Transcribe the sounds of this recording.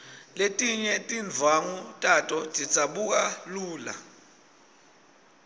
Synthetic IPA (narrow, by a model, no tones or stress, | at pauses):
letʼiɲɛtʼind͡vʱaŋutʼatʼɔtʼi̥t͡sʼaɓuk̬ʼaluːla̰